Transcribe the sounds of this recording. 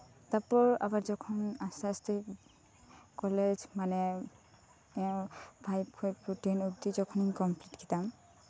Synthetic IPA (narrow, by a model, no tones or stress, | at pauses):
t̪aɹpɔɹa̰baɹzɔkʰɔnasasti | kɔlezmanɛ | ɛbʰʱajb̚kʰɔjputenuɡd̪izɔkʰɔniŋkɔmplitɡʰit̪am